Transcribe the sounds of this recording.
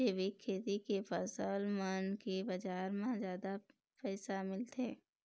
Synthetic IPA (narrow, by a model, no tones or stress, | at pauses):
eːbikʰːeːt̪ikepʰəsəlmənkebɐd͡ʒaːɾmãzjaːd̪a | pɛːsamɪlt̪eː